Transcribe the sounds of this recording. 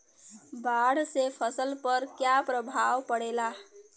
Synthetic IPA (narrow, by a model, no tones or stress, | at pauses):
baɽsepʰəsəlpəɾkjapɾəbʱawpəɽela